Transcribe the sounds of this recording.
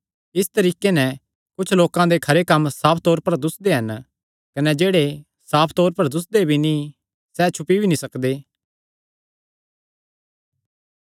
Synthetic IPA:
ɪst̪ɐɾiːkenɛ̃ | kʊt͡ʃʰloːkãd̪ekʰɐɾekɐmːsaːpʰt̪ɔːɾpɐɾd̪ʊsd̪eɦɐn | kɐnɛd͡ʒeːɽe | saːpʰt̪ɔːɾpɐɾd̪ʊsd̪ebʱinĩ | sɛt͡ʃʰʊpibʱinĩsɐkd̪eː

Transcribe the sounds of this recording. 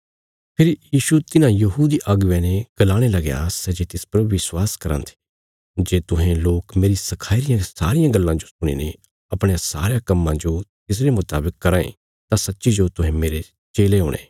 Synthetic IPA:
pʰɪɾjiːʃut̪ɪnãjɐɦud̪iʔaɡʊʋɛ̃ːneɡ̥ɐlaːɽ̃elɐɡejã̰sɛd͡ʒeːt̪ɪspɾɐuʋɪswaːskɐɾə̰̃nt̪ʰi̥ | d͡ʒeːt̪ʊɦẽloːkmeːɾisɐkʰaːɪɾɪjãsa̰ːɾɪjãɡɐlːãd͡ʒosʊɽ̃ḭːne | ɐpɽ̃ẽãsaːɾejãkɐmːãd͡ʒot̪ɪs̬ɾemʊt̪aːbɪkːɐɾaːḛ̃ | t̪ãsɐtːʃid͡ʒot̪ʊɦɛ̃meːɾe | t͡ʃeːleɦoːɽ̃ḛː

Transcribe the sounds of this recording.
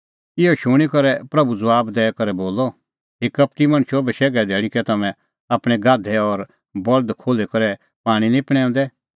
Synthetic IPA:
ɪɔʃʊɽ̃ikɐɾɛpɾɐbud͡zʊaːbd̪ɛːɛkɐɾɛboːlɔ | ɦɪkɐp̚ʈimɐ̃ñʃobɛʃɛːɡɛd̪ɛːɭikɛt̪ɐmɛ̃ | aːpɽ̃ɛɡaːd̪ʱɛɔɾ | bɔld̪kʰoːlekɐɾɛ | paːɽ̃ĩnĩpɽ̃ɛ̃ːɔ̃ːnd̪ɛ

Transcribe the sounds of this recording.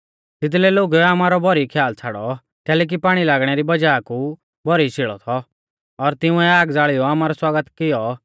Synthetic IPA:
t̪ɪd̪lɛloːɡaːmaːɾɔbʱɔɾikʰjaːlt͡sʰaɽɔ | kɛːlɛːk̬ipaːɽ̃ilaːɡɽ̃ɛɾibɐd͡ʒaːku | bʱɔɾit͡ʃʰɪɭɔ̰t̪ʰɔ | ɔɾt̪ɪũɛaːɡd͡zaːɭɪjɔaːmaɾɔswaːɡət̪kɪjɔ

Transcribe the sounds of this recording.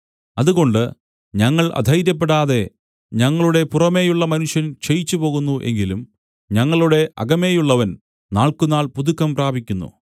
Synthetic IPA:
ɐðuɣo̞ɳɖɨ | ɲɐŋːɐɭʔɐ̰d̪ʱɐjɾjɐp̬ːe̞ɽaːðe̞ | ɲɐŋːɐɭuɽe̞purɐme̞ːjuɭːɐmɐnuʂjɐnt͡ɕejit͡ɕːupo̞ːɣunːuʔe̞̰ŋɡilum | ɲɐŋːɐɭuɽe̞ʔɐ̰ɡɐme̞ːjuɭːɐʋɐn | naːɭkunaːɭpuðukːɐmpraːbʱikʲːunːṵ

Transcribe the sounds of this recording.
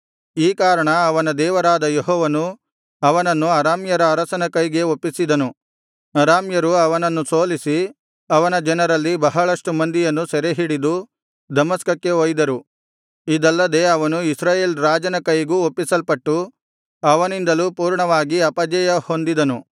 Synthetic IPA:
iːkaːɾɐɳɐːʋɐnɐd̪ɛːʋɐɾaːd̪ɐjeɦɔːʋɐnu | ɐʋɐnɐnːuɐɾaːmjɐɾɐːɾɐsɐnɐkɐjɡe̞opːisid̪ɐnu | ɐɾaːmjɐɾuɐʋɐnɐnːuso̞ːlisi | ɐʋɐnɐd͡ʒɐnɐɾɐlːibɐɦɐɭɐʂʈumɐnd̪ijɐnːusɛɾeɦiɽid̪u | d̪ɐmɐskɐkːe̞oːjd̪ɐɾu | id̪ɐlːɐd̪e̞ːɐʋɐnuisɾaːje̞ːlɾaːd͡ʒɐnɐkɐjɡuːopːisɐlpɐʈːu | ɐʋɐnind̪ɐluːpuːɾɳɐʋaːɡiɐpɐd͡ʒɐjɐho̞nd̪id̪ɐnu

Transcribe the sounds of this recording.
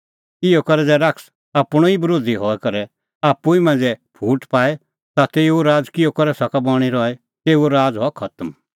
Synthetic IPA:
ɪɔkɐɾɛd͡zɛɾɐks | aːpɔibɐɾoːd̪ʱiɦɔɛkɐɾɛ | aːpːuimɛ̃ːnd͡zɛpʰuːʈpaːɛ | t̪at̪eːoɾaːd͡zkɪjokɐɾɛsɐkabɔːɽ̃iɾɔɛ | t̪eːuoɾaːd͡zɦɔkʰɐt̪əm

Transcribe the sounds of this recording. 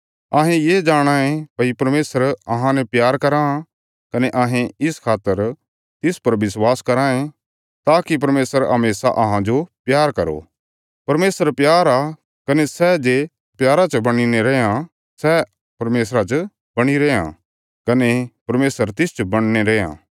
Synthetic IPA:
ɐɦẽjeːd͡ʒaːɽ̃aːẽpɐipɐɾmeːsəɾɐɦãnɛpjaːɾkɐɾã | kɐnɛʔaːɦẽɪskʰaːt̪ːəɾ | t̪ɪspɐɾʋɪswaːskɐɾaːẽ | t̪aːkipɐɾmeːsəɾɦɐmeːsa̰ʔɐɦãd͡ʒopjaːɾkɐɾo̰ | pɐɾmeːsəɾpjaːɾa | kɐnɛsɛd͡ʒe | pjaːɾat͡ʃəbɐɽ̃ineɾɛã | sɛ | pɐɾmeːs̬ɾat͡ʃ | bɐɽ̃iɾɛːã̰ | kɐnepɐɾmeːsəɾt̪ɪst͡ʃbɐɽ̃neɾɛːã̰ː

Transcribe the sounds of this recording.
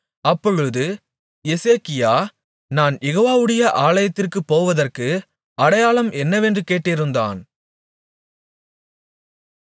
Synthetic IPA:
ɐpːɔɻɯðɯ | jɛseːkɪjaː | naːnjɛɣoːʋaːʋɯɽɐjɐʔaːlɐjɐt̪ːɪrkɯpːoːʋɐðɐrkɯ | ɐɽɐjaːɭɐmʔɛnːɐʋɛndrɯkeːʈːɪɾɯnd̪a̰ːn

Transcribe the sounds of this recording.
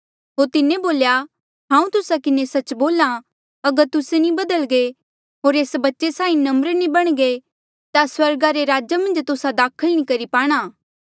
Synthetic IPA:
ɦoːɾt̪ɪneboːlja | ɦãːũt̪ʊsakɪnesɐt͡ʃboːla | ɐɡəɾt̪ʊsenĩbɐd̪əlɡe | ɦoːɾeːsbɐtːʃesaːĩnɐmɾnĩbɐɽ̃ɡe | t̪aswɐɾɡaɾeɾaːd͡ʒamɐ̃nd͡ʒt̪ʊsad̪aːkʰəlñikɐɾipaːɽ̃aː

